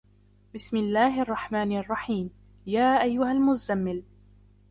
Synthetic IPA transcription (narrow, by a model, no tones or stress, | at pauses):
bɪsmɪlːaːhʔɑrˤːɑħmaːnʔɑrˤːɑħiːm | jaːʔajːʊhalmʊzamːɪl